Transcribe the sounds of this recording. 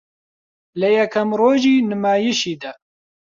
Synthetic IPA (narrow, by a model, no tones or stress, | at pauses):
lɨjɛkʰɐmroːʒiːnɨmaːjiʃiːd̪ɛ